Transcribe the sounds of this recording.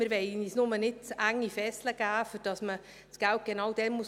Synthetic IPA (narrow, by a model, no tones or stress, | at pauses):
məɾʋɛɪnisnʊmənɪtæŋːifɛsləɡ̥æːfyɾd̥ɑsmə | sɡ̥æwt̚ɡ̥enɑwd̥̪ɛnmu